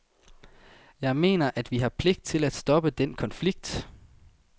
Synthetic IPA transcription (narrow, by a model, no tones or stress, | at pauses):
jɑ̈ɪme̝̰ːnɐʔæd̥ʋiɦɑ̈pʰle̝ɡ̥̚d̥̚t͡sʰe̝læd̥sd̥ɒ̽b̥əd̥enkʰɒ̽nfliɡ̥̚d̥